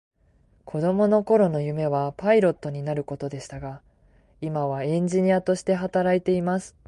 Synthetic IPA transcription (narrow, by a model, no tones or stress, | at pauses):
kʰo̞d̪o̞mo̞no̞ko̞ɾo̞no̞jɯ̟me̞β̞apaiɾo̞t̪ːo̞ɲ̟inaɾɯ̟ko̞t̪o̞d̪e̞ɕi̥t̪aɡa | imaβaẽ̞ɲ̟d͡ʑiɲ̟iat̪o̞ɕi̥t̪e̞ɦat̪aɾait̪e̞imasɨ̥